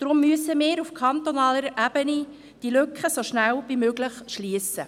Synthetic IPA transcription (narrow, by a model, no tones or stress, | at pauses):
d̪̥ɾʊmːyəsəmɪːɾufkʰɑnt̪onɑːləɾʔæb̥əni | d̥iløkʰχəsoʃnælvimøːɡləχʃliːəsə